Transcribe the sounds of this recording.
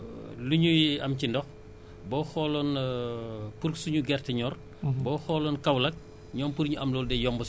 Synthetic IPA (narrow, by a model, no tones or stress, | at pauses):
luɲujɐmcindɔx | bɔːxɔlɔn | puɾsuɲuɡɛrtɛɲɔːr | bɔːxɔːlɔːnkɐwlɐk̚ | ɲɔːmpuɾɲuʔɐmlɔːldɛjɔmbɔs